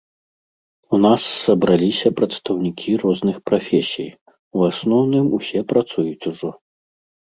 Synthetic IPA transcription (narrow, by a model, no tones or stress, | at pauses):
unasːɐbɾalʲisʲɐpɾɐt̪st̪ɐwnʲikʲʰirɔznɨxpɾafʲɛsʲḭj | wasnɔwnɨmusʲɛpɾat̪sujut͡sʲuʐɔ